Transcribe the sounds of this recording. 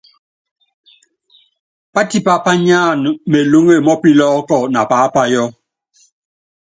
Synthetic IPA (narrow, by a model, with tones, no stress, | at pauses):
pa˦ti˦pa˦pa˦ɲaː˦˨n˨me˨lo˦ŋe˦˨mɔ˦pi˦lɔː˦kɔ˦˨na˨paː˨˦pa˦jɔ˦